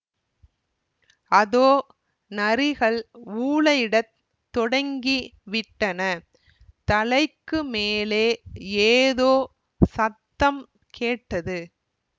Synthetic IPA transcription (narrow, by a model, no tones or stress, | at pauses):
ɐðoː | nɐɾɪɣɐɭuːɭɐjɪɽɐt̪ː | ɔɽɐŋɡiʋɪʈːɐnɐ | t̪ɐlɐɪkːɯmeːleːeːðoː | sɐt̪ːɐm | kʰeːʈːɐðɯ